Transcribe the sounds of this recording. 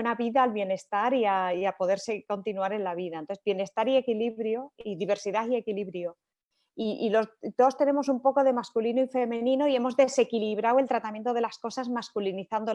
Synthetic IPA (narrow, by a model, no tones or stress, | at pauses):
enaβiðaːlβjene̞st̪aɾiaiapo̞ðe̞ɾse̞ko̞nt̪inuaɾe̞nlaβiðanoezbje̞ne̞st̪aɾie̞kiliβɾjo̞iðiβe̞ɾsiðaie̞kiliβɾjo | iilo̞zd̪o̞st̪e̞nẽ̞mo̞sumpo̞ko̞ð̞e̞maskulinoife̞mẽ̞nĩnoie̞mo̞zðe̞se̞kiliβɾawe̞lt̪ɾat̪amje̞nt̪o̞ð̞e̞lasko̞sazmaskuliniθand̪o